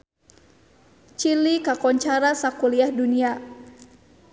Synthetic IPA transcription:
t͡ʃilikakɔɲt͡ʃaɾasakuliahdunia

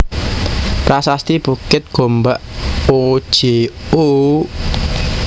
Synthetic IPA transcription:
pɾasast̪ib̥ukɪt̪̚ɡ̥o̤mbaʔo̥ʒ̥eu

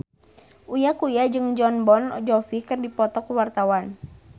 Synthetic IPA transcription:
ʔujakujad͡ʒɨŋd͡ʒɔnbɔnd͡ʒɔfikɨrdipɔt̪ɔkuwart̪awan

